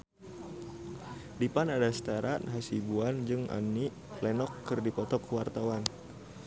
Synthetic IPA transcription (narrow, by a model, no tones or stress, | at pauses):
dipanadast̪aɾat̪̚ɦasibuand͡ʒɨŋa̰niʔ | lɛnɔkːɨrdipɔt̪ɔkəwart̪awan